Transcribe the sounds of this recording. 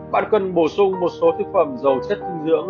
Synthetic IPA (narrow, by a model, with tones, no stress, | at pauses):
ɓaː˧˨nkə˧˩nɓo˧˩sʊ˧ŋ͡mmo˨˩t̚so˨˦t̪ʰɨ˦˥k̚fə˧˩mzə˨˩wt͡ɕə˦˥t̚t̪i˧ŋzɨ̰˧˥əŋ